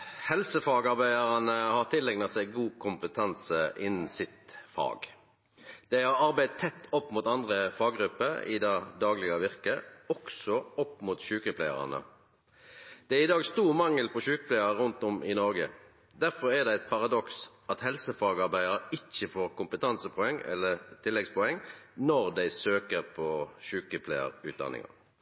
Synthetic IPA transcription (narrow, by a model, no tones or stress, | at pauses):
hɛlsəfɑːɡɑʁbæɪɑʁɑnəhɑʁt̪ʰɪlɛŋnɑsæɪɡuːkʰʊmpət̪ʰɑnsəʔɪnːn̩sɪt̪fɑ̰ːɡ | d̪̥ɛhɑɾɑɾbæɪt̪ʰːɛt̪ːɔpːmʊːt̪ɑnd̪ʁəfɑːɡɾʉpːəɾɪ̰d̪ɑːd̪ɑːɡlɪɡɑʋɪʁkəɔksɔɔpːmuːt̪ɕʉːkəpʰlæɪɑ̰ʁɑ̰nə̰ | d̪̥ɛæʁɪd̪ɑːɡst̪uːʁmɑŋːəlpʰɔʃʉːkəplæɪəʁəʁʉnt̪ɔmʔɪnɔʁɡə | d̪æʁfɔʁɛʁd̪ɛæɪt̪̚pʰɑʁɑd̪ɔks | ɑt̪hɛlsəfɑːɡɑʁbæɪd̪əɾəɪt͡ʃːəfoːʁkʊmpət̪ʰɑnsəpʰɔɛŋːɛ̰lːəʁt̪ʰɪlːɛɡspɔɛŋːnɔʁd̪æɪsøːkəʁpʰɔʃʉːkəpʰlæɪə̰ʁʉ̰ːt̪̚d̪ɑ̰nɪ̰ŋɑ̰